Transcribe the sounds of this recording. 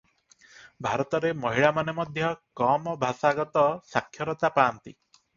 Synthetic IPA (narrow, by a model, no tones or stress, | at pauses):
bʱaɾɔt̪ɔɾemɔɦiɭamanemɔd̪ʱjɔkɔmɔbʱasaɡɔt̪ɔsakʰjɔɾɔt̪apaːnt̪ḭ